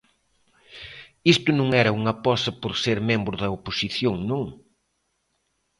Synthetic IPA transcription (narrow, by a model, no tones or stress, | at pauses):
ist̪ʊnõŋɛɾɐuŋɐpɔsɐpoɾseɾmẽmbɾʊðɐoposiθjoŋnõŋ